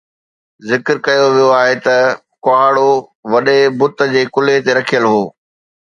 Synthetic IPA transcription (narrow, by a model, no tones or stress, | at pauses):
zɪkəɾkɐjoʋijoaːɦet̪ɐ | kʊaːɽoʋɐɗebʊt̪ə̆d͡ʑeːkʊlet̪eɾɐkʰijəlɦoː